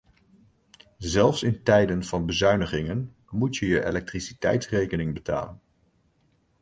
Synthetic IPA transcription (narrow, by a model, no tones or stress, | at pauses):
zɛlˠfsɪntɛjdənv̥ɑnbəzœɥnəχɪŋən | mutjəjəʔḛlɛk̚trisitɛ̰jtsrejkənɪŋbəta̰ːlə̰n